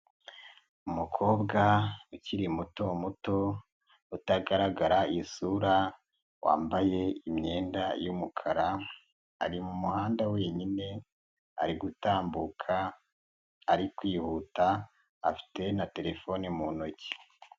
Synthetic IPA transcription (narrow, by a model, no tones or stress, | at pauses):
umukʰo̞ːbɡauciɾimutomuto̞ | utaɡaɾaɡaɾaisuɾa | wa̰ːmbaje̞imɲe̞ːndajumukʰaɾa | a̰ɾimumuhaːndawe̞ːɲine̞ | a̰ɾiɡutaːmbukʰaː | ɾikwiːhuta̰ː | fi̥te̞nate̞ɾe̞fo̞nimuno̞ci̥